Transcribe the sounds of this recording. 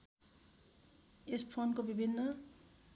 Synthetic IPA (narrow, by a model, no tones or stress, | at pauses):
espʰonkobibʱinːʌ